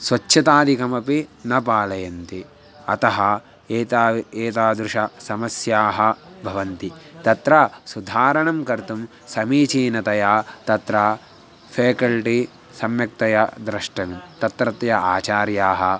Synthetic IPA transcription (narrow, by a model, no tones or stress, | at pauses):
sʋɐt͡ʃːʃɐt̪aːd̪ʱikɐmɐpinɐpaːlɐjɐnt̪i | ɐt̪ɐɦɐ | eːt̪aːeːt̪aːd̪ɾuʃɐsɐmɐsjaːɦɐbʱɐʋɐnt̪it̪ɐt̪ɾasud̪ʱaːɾɐɳɐmkɐɾt̪um | sɐmiːt͡ʃiːnɐt̪ɐjaːt̪ɐt̪ɾaː | pʰeːkɐlʈi | sɐmjɐk̚t̪ɐjɐd̪ɾɐʂʈɐʋimt̪ɐt̪ɾɐt̪jɐaːt͡ʃaːɾjaːɦɐ